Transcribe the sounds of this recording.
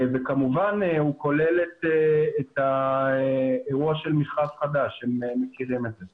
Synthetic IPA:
vekamuvanhuko̞lelet̪eːt̪a | eʁuaʃelmiʁχavχad̪aʃhememekiʁimedze

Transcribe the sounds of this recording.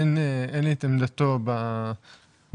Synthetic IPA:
nenit̪emd̪at̪oba

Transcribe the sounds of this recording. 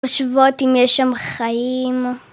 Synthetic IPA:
ʃvotimjɛʃːamχajim

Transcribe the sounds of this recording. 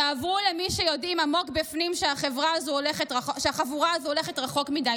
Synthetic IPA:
avʁulemiʃejo̞dimamo̞kbifnimʃeaχevʁaːzuole̞χetʁaoʃeaχavuʁaazuoleχetʁaχo̞kmida

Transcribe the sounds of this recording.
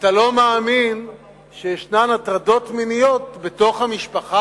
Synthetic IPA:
at̪alo̞meːmin | ʃejeʃnamatʁado̞t̪minijo̞t̪beto̞χhamiʃpaχa

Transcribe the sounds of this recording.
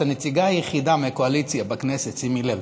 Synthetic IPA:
anet͡siɡaajeχid̪ameakoalit͡sjabaknesetsimilel

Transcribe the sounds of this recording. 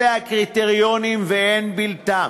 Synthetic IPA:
eakʁit̪eʁjonimveenbilt̪a

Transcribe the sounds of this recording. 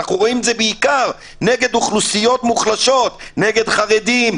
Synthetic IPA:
aχnuʁo̞imedzebeikaʁ | ne̞ɡe̞d̪uχlusijo̞t̪muχlaʃo̞t̪neɡe̞d̪χaʁed̪im

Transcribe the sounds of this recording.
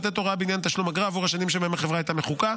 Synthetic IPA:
t̪et̪oʁabeinjant̪aʃlumaɡʁaːvuʁhaʃanimʃ̬emaemeχevʁaajt̪ameχuka

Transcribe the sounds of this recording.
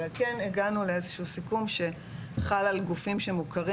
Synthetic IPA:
alke̞neɡanule̞ezeʃuusikumʃe̞ | χalalɡufimʃemukaʁi

